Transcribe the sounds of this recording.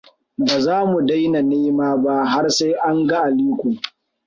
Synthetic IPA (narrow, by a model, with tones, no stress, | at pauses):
baː˨zaː˦mu˨da˦jna˨neː˦maː˦ba˦ɦa˦rsa˦jʔa˦ŋɡa˦ʔa˨liː˦kʷo˨